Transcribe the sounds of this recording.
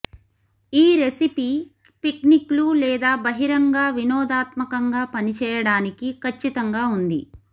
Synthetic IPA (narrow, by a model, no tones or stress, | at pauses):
iːɾesipi | pikniklulɛːd̪aːbɐɦiɾɐŋɡaːʋinɔːd̪aːt̪mɐkɐŋɡaːpɐnit͡ʃɛːjɐɽaːnikikʰɐt͡ʃːit̪ɐŋɡaːund̪ḭ